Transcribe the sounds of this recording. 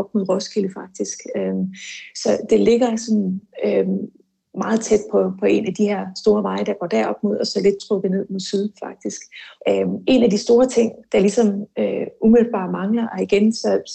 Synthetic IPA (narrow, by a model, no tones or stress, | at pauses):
ɒb̥mo̝ðˠʁɔskʰiləfɑ̈ɡ̥̚d̥isɡ̥ømsɒ̽d̥e̝le̝ɡ̥ɐsɒ̽nøm | mɑ̈ːð̞̩ˠt͡sʰed̥̚pʰɒ̽pʰɒ̽e̝næd̥iheɐ̰sd̥o̝ːɐʋɑ̈ɪəd̥ɑ̈ɡ̥ɒ̰ːd̥æɐ̰ɒ̽b̥mo̝ð̰ˠɒ̽sɒ̽le̝d̥̚t͡sʰʁɔ̽ɡ̥ðˠne̝ð̰ˠmo̝ðˠsyð̞ˠfɑ̈ɡ̥̚d̥isɡ̥øme̝næd̥isd̥o̝ːɐt͡sʰe̝ŋ̰d̥ɑ̈lisɒ̽møumeðlb̥ɑ̰̈ːmɑ̈ŋlɐʔɒ̽iɡ̥ensɒ̽